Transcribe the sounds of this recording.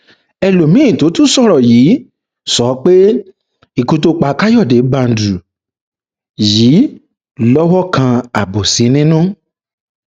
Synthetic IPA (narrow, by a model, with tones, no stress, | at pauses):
ɛ˧lo˨mĩ˦˨to˨˦tũ˦sɔ˦˨ɾɔ˨jiː˨˦ | sɔ˨˦k͡pe˦ | i˦˨kũ˧to˧k͡pa˧˦ka˦jɔ˦˨de˨˦ba˧n̩˨du˨ | jiː˨˦ | lɔ˦wɔ˦kã˧a˨bo˨sĩ˨˦nĩ˦nũ˦